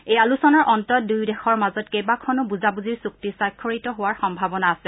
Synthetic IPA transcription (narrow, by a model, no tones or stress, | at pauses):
ejalusɔnɔɹʔɔntɔt̚dujdɛxɔɹmazɔtkejbakʰɔnʊbuzabuziɹsuk̚tisajkʰːɔɹitɔɦowaɹxɔmbʱabɔnaːsɛ